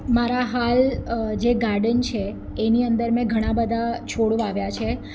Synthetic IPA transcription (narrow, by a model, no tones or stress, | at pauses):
maɾaɦald͡ʒeɡaɾɖənt͡ʃʰeː | niənd̪əɾmɛ̃ɡʱəɽ̃ãbəd̪ʱat͡ʃʰoɽũaʋjat͡ʃʰe